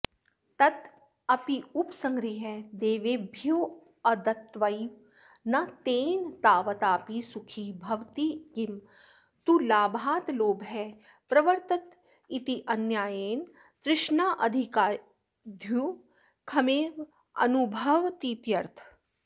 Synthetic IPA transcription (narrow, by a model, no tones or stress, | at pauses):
t̪ɐt̪ | ɐpiupsɐ̃ŋɡɾiɦɛd̪eːʋeːbʱjuː | ɐd̪ɐt̪ʋɐi | nɐt̪eːnt̪aːʋɐt̪aːpisukʰibʱɐʋt̪ikim | t̪ulaːbʱaːt̪loːbɦɛ | pɾɐʋɐɾt̪ɐt̪ | it̪iʔɐnjaːjeːn | t̪ɾɪʃɳaːʔɐd̪ʱikaː | d̪ʱju | kʰɐmeːʋ | ɐ̰nubʱɐʋt̪iːt̪jɐɾt̪ʰ